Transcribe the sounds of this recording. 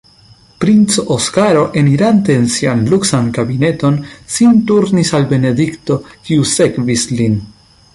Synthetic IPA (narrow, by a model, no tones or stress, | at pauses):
pɾint͡soʔoskaɾo̞ʔeniɾante̞ːnsianluksankabine̞to̞nsintuɾnisalbe̞ne̞dikto̞kiuse̞kvislin